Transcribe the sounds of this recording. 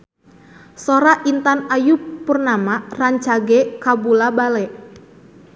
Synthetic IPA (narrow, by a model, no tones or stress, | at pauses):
soɾaʔint̪anajupːurnamaraɲt͡ʃaɡɛkabulabalɛʔ